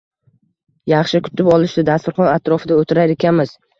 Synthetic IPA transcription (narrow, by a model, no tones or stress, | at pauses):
jɑχʃɪkʲʰʊ̥t̪ʰɪpɒlˠɪʃt̪ɪd̪ast̪ʊɾχɒnat̪ɾɒfɪd̪aot̪ʰɪɾajekʲʰanmɪz̥